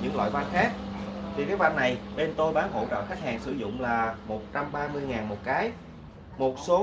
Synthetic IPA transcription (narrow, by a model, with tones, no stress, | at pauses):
ɲɨ̰˨˩klwa̰ː˧˨jva˧nxaː˦˥k̚t̪ʰi˨˩kaː˨˦jva˧nːa˨˩jɓe˧nt̪o˧jɓaː˨˦nɦo̰˧˥t͡ɕə̰ː˧˨xa˦˥k̟̚haː˨˩ŋsɨ˧˩zʊ̰˧˨ŋ͡mlaː˨˩mo˨˩t̚t͡ɕa˧mɓaː˧mɨ˧əjŋaː˨˩nmo˨˩t̚kaː˨˦j | mo˨˩t̚so˨˦